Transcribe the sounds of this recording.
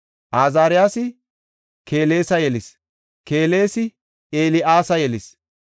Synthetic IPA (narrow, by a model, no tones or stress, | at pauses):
ʔaːzaːɾɪjaːsɪ | keːle̞ːsɐjɛlɪs | ke̞ːle̞ːsɪ | ʔeːlɪʔaːsɐjɛlɪs